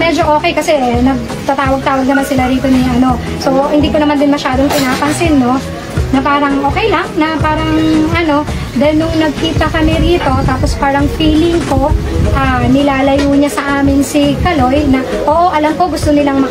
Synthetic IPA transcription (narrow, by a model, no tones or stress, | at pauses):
mɛd͡ʒo̞ʔoːkɛjkɐsɛnɐɡ̚ | t̪ɐt̪aːwɐɡ̚t̪aːwɐɡ̚nɐmansɪlaɾiːt̪o̞nɪʔɐno̞ | so̞hɪnd̪iːkonɐmand̪ɪnmɐʃaːd̪oŋt̪ɪnaːpɐnsɪnːo̞ | nɐpaːɾɐŋʔo̞ːkɛjlɐŋnɐpaːɾɐŋɐno̞ | d̪ɛnːʊŋnɐɡ̚kiːt̪ɐkɐmɪɾiːt̪o̞t̪aːpospaːɾɐŋfiːlɪŋko̞ʔaːnɪlaːlɐjuːɲɐsɐʔaːmɪnsɪkɐlo̞jnɐ | ʔoːʔo̞ʔɐlɐmko̞ɡʊst̪onɪlaŋmɐ